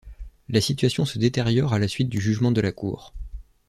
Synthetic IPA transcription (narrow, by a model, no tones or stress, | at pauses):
lasit̪ɥasjɔ̃səd̪et̪eʁjɔʁalasɥit̪̚d̪yʒyʒmɑ̃d̪əlakʰṵːʁ